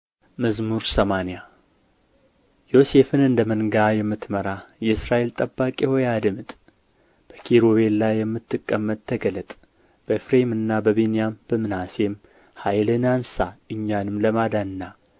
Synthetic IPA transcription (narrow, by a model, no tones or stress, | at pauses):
məzmuɾsəmanija | jo̞se̞fɨnɨnd̪əmənɡajɛmːɨt̪məɾajɛɨsɾaʔe̞lt̪ʼəbːakʼehojad̪ɨmɨt̪ʼ | b̥əkʰiɾoβe̞llajːɛmːɨt̪ʰːɨkʼːəmːət̪ʼʰːəɡələt̪ʼ | b̥əfɾe̞mɨnːabəbenijamb̥əmɨnase̞m | hajlɨnansaɨɲːanɨmləmad̪anɨnːa